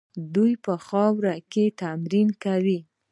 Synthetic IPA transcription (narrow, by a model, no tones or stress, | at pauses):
d̪ujpəxɑwɾaket̪amɾinkawi